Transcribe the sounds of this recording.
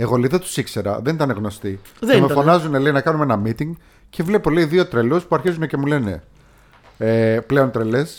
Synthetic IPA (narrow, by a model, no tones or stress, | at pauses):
e̞ɣo̞liðet̪u̥sikse̞ɾɐ̰ðe̞nit̪ɐneɣno̞st̪iðmefonɐzune̞leinɐkɐnumeenɐmit̪iŋɡ | ce̞vle̞po̞leiðio̞t̪ɾe̞luspuɐɾçizunece̞mule̞ne̞̰ | eple̞o̞nt̪ɾeles